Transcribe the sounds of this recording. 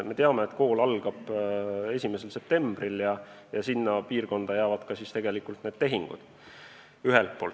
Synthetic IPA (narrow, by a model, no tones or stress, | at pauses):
me̞t̪eɑme̞et̪ko̞ːlɑlɡ̥ɑb̥e̞sʲimese̞lse̞p̚t̪e̞mb̥riljɑ | jɑsinːɑpiːrko̞nd̪̥ɑjæːvɑd̪̥kɑsist̪e̞ɡe̞likːˑult̪ne̞ːd̪̥t̪e̞ɦiŋɡ̥ṵd̪̥ | yɦelt̪̚po̞ːl